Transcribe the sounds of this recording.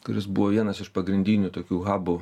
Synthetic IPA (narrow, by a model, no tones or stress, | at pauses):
kʊɾʲɪs̬bʊʋoːʋʲiɛnɐsɪʃpɐɡɾʲɪnʲd̪ʲiːnʲuːt̪oːkʲuːɣɑːbʊ